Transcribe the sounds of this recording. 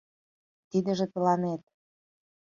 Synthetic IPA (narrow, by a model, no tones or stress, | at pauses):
t̪id̪ə̆ʒĕt̪əlɑnet̪̚